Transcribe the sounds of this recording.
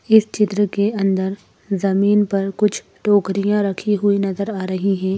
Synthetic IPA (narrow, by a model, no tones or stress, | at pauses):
ɪst͡ʃɪt̪ɾəkeɐ̃nd̪əɾ | zɐmiːnpɐɾkʊt͡ʃʰ | ʈoːkɾijãɾɐkʰiɦʊinɐzəɾaːɾɐɦiɦɛ̃ː